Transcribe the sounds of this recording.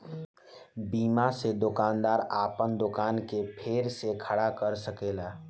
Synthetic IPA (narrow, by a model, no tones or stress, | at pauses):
biːmased̪okaːnd̪aɾaːpənd̪okaːnkepʰeɾsekʰəɽakəɾsəkela